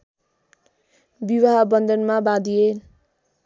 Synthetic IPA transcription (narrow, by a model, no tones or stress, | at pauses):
biwaɦʌbʌnd̪ʌnmabad̪iel